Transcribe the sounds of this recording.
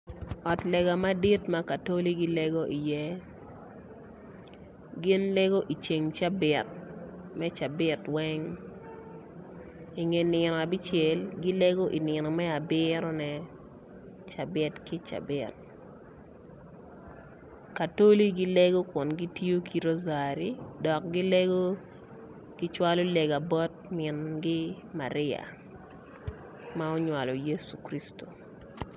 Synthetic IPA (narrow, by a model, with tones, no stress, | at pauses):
ɔ˨tlɛ˨ɡa˨ma˦di˦tma˦ka˨to˦li˦ɡi˦lɛ˦ɡo˦ʔi˨jɛ˦ | ɡɪ˦nlɛ˦ɡo˦ʔi˨t͡ʃe˨ŋt͡ʃa˦bɪ˨t̚mɛ˦t͡ʃa˨bɪ˦twɛ˦ŋ | i˨ŋe˨nɪ˨nɔ˨a˨bi˦t͡ʃe˨lɡi˦le˦ɡo˦ʔḭ˨nɪ˨nɔ˨mɛ˦a˨bɪ˦ɾɔ˦nɛ˨ | t͡ʃa˨bɪ˦tki˦t͡ʃa̰˨bɪt̚ | ka˨to˦li˦ɡi˦le˦ɡo˦kwɔ˨nɡi˦ti˦o˦kʰi˦ɾo˦za˨ɾi˨dɔ˨k̚ɡɪ˦le˦ɡo˦ | ɡ̥ɪ˦t͡ʃwa˦lo˦le˨ɡa˨bɔ˦t̚mɪ˨nɡɪ˦ma̰˨ɾɪ˦a̰˨ | ma˦ɔ˦ɲwa˨lɔ˨je˦su̥˨kɾi˦sto̥˨